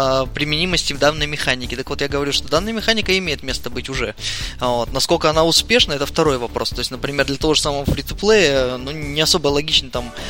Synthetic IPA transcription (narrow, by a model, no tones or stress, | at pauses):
pɾʲɪmʲɪnʲiməsʲtʲɪvd̪anːəjmʲɪxanʲɪkʲɪt̪əkvot̪jaɡəvɐɾʲuʂt̪o̞d̪anːəjəmʲɪxanʲɪkəɪmʲejɪt̪mʲe̞st̪əbɨtʲʊʐɛvo̞t̪nɐskolʲkəɐnaʊspʲe̞ʂnəɛt̪əft̪ɐɾo̞jvɐpɾʔo̞st̪o̞ɪsʲnəpɾʲɪmʲe̞rd̪lʲɐt̪ɐvo̞ʐɨ̥saməvəfɾʲɪt̪ʊplˠejənunʲɪɐso̞bəlˠɐɡʲit͡ɕnət̪am